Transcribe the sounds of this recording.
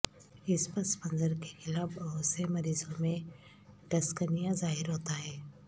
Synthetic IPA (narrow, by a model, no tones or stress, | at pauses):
ɪspɐɾspə̃nzəɾke̥xɪlaːbəɦosemɐɾiːzõmẽ | ɖɐskənijazaːɦɪɾɦoːt̪aɦɛː